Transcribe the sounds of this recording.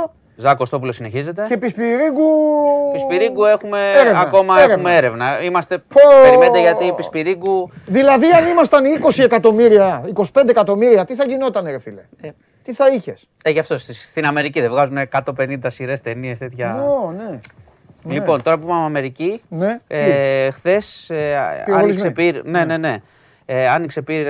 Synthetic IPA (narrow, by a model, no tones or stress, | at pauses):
zɐkost̪o̞p̬ulo̞sine̞çize̞t̪ece̞pispiɾiɡupispiɾiɡue̞xume̞eɾevɐko̞mɐeumee̞ɾe̞vnɐimɐst̪e̞eɾɾimed̪eʝɐt̪ipispiɾiɡuðilɐðiɐnimɐst̪ɐniko̞sie̞kɐt̪o̞miɾiɐiko̞si̥pe̞nd̪ekɐt̪o̞miɾiɐt̪iθɐʝino̞t̪ɐneɾefilḛe | t̪iθɐiçe̞s | eʝɐft̪o̞sst̪inɐme̞ɾiciðevɣɐzuneːkɐt̪o̞pe̞nind̪ɐsiɾe̞st̪e̞nie̞st̪et̪çɐone | lipo̞nt̪o̞ɾɐɐp̬umeɐmɐme̞ɾicineexθe̞seɐ̰niksepiɾne̞ne̞ne̞ | eɐnikse̞piɾ